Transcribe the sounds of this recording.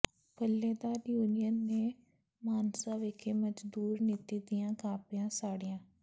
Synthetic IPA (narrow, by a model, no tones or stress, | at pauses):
pəlːeːd̪aːɾjuːnɪjənːeː | maːnsaːʋekʰeːməd͡ʒd̪uːɾnɪt̪iːd̪ijãːkãːpɪjãːsaːɽijãː